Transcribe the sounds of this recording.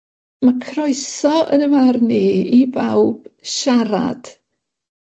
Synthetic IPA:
makʰrɔɨsɔə̰nəvarniibawb̥ʃaɾa̰d̥

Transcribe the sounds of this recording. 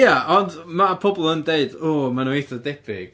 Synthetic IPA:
aʔɔndmapʰɔbɔlˠəndeɨdɔːmanuiθɔdɛpʰɪ̰ɡ̥

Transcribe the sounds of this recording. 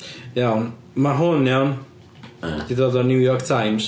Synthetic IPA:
jawn | maɦʊnjawn | d̥iðoːdɔnuwjɔrktʰajms

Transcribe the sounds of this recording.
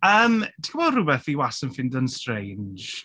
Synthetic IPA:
əːmtʰi̥kʰəbɔrʊbɛθiwasənfɪndənstrejnd͡ʒ

